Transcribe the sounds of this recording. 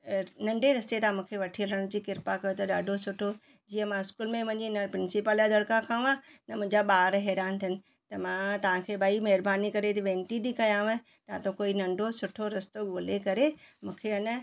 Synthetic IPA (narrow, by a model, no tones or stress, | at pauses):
nɐ̃ɳɖʱeɾɐst̪et̪ɐãmũːkʰeʋɐʈʰiləɽ̃d͡ʑiːkɪɾpakɐjot̪ɐɗaːɖʱosʊʈʰo | d͡ʑiːə̃mãɪskuːlmẽmɐ̃ɲd͡ʑinəpɾɪnsɪpəljãd̪ʱɐɽkãkʰãũãnɐm̃ɦɲd͡ʑaɓaːɾɦɛːɾaːnt̪ʰijənɪ̆ | t̪ɐmãt̪ɐʋ̤ãkʰeːbaimɐɦɪɾbaːnikɐɾet̪iʋẽːɳʈid̪ikɐjãː | t̪ɐãt̪õkoːinɐ̃ɳɖʱosʊʈʰoɾɐst̪oɠoːlekɐɾemũːkʰeɐnə̆